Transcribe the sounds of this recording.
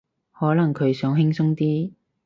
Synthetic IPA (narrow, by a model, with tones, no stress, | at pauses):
hɔː˨˥lɐ˨˩ŋkʰɵ˨˧ɥsœː˨˥ŋɦɪ˥ŋsʊ˥ŋt̪iː˥